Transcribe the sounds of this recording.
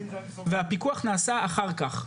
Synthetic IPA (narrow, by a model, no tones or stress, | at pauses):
veɦapikuaχnaːsaaχaʁkaχ